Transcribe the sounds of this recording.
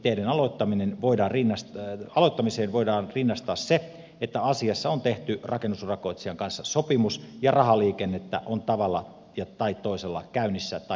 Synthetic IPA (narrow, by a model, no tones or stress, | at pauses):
t̪ːeːdenɑlot̪ːɑminenʋoidɑːrrinːɑsɑloit̪ːɑmiseːnʋoidɑːnrinːɑst̪ɑːsse | et̪ːæɑsiɑsːɑont̪eht̪yrʔɑkenːusrɑkoit̪siɑŋkɑnsːɑsopimusjɑrɑhɑliːkenːet̪ːæ̰ʔont̪ɑʋɑlːɑ | jɑt̪ɑit̪ːoiselːɑ̰kæynːisːæt̪ɑ